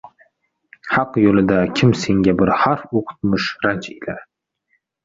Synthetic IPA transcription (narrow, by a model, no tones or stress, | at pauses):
hɑqjolɪd̪akʲʰɪmse̞ŋʲabɪɾhaɾfoqʰʊ̥t̪̚mɪʃɾant͡ʃelaɾ